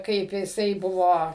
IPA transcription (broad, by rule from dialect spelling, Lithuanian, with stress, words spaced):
ˈkɐɪp jɪˈsɐɪ ˈbʊʋoː